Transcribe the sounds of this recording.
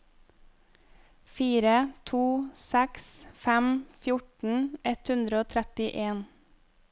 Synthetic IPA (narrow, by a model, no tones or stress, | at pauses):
fiːɾət̪ʰuːsæksfæmfjʊʈn̩ɳ̩ɛt̪hʉnd̪ɾəoːt̪ʰɾɛt̪ɪʔeːn